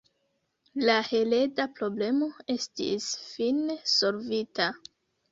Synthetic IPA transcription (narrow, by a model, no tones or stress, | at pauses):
lahe̞le̞dapɾo̞ble̞mo̞e̞stḭsfinso̞lvita